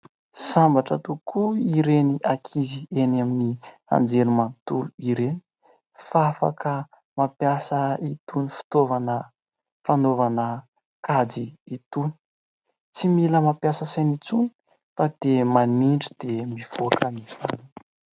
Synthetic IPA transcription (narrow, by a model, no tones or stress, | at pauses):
sambaʈ͡ʂət̪ukʰuiɾeniʔakʰizienamini | a̰nd͡zelumant̪uluiɾeni̥ | faafa̰kə | mapjasəit̪unifi̥t̪ovanə | fanovanə | kad͡ziːt̪uni̥ | t͡similəmapjasəsajnit͡suni̥ | fad̪̥emaniɳɖ͡ʐid̪̥emiv̥oakənizan